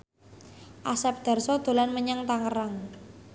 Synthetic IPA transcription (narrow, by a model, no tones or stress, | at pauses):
ʔasɛp̚d̪̥a̤rsɔd̪̥o̤lanməɲaŋt̪aŋəraŋ